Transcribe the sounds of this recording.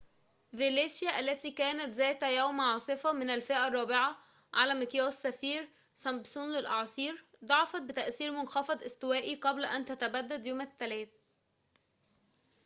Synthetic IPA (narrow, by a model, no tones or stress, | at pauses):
veleːʃjæʔælːæt̪iːkæːnæt̪zæːt̪hæjæwmʕɑːsˤɨfɑmɪnælfeʔærˤːɑːbeʕɑ | ʕalæːmɪkjɑːsːæfiːɾ | sæmbsˤuːnlɪlʔɑʕsˤiːɾ | d̪ˤɑʕɑfɑt̪̚bɪt̪æʔsiːɾmʊnxæfɑd̪ˤʔɪst̪ɪwæːʔiqɑblʔænt̪æt̪æbæd̪ːæd̪joːmæt̪ːælæːt̪